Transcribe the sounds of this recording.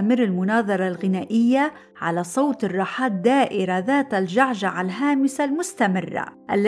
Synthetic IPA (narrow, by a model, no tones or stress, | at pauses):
mɪɾɪlmʊnɑːðˤɑɾˤɑlɣɪnaːʔɪjːa | ʕa̰lasˤɑwt̪ɪrˤːɑːħaːt̪̚d̪aːʔɪɾaðaːt̪alʒaʕʒaʕalɦaːmɪsalmʊst̪amɪrːa̰ʔalː